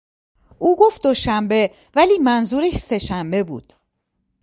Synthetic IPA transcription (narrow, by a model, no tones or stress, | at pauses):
ʔuːɡo̞ft̪̚d̪o̞ʃæmbe̞ | væliːmænzuːɾeʃse̞ʃæmbe̞bṵːd̪̥